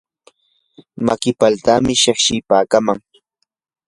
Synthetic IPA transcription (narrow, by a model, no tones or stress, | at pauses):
makɪpalt̪amɪʃeχʃɪpaːkamaŋ